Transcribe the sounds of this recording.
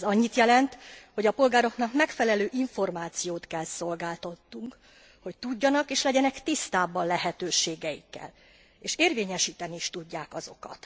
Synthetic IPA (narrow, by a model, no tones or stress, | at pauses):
zɒɲːit̪jɛlɛnt̪ho̞ɟɒpo̞lɡaːɾo̞knɒkmɛkfɛlɛløːʔiɱfo̞rmaːt̪sijoːt̪kɛlso̞lɡaːlt̪oɒt̪ːuŋk | ho̞c̚t̪uɟːɒnɒkeːʃlɛɟɛnɛkt̪ist̪aːbɒnlɛɦɛt̪øːʃeːɡɛḭkːɛ̰l | eːʃeːrveːɲɛʃiːt̪ɛniiʃt̪uɟːaːkɒzo̞kɒ̰t̪